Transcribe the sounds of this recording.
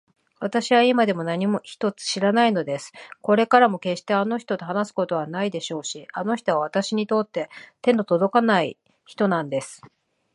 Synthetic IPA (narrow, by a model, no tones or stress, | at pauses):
βat̪aɕiβaimad̪e̞mo̞naɲ̟imo̞çi̥t̪o̞t͡sɨ̥ɕiɾanaino̞d̪e̞sɨ̥ko̞ɾe̞kaɾamo̞ke̞ɕt̪e̞ano̞çi̥t̪o̞t̪eɦanasɨ̥ko̞t̪o̞βanaid̪e̞ɕo̞ːɕiano̞çi̥t̪o̞βaβat̪aɕiɲ̟it̪o̞t̪ːe̞t̪ẽ̞nt̪o̞t̪od̪o̞kanai | çi̥t̪o̞nãnd̪e̞sɨ̥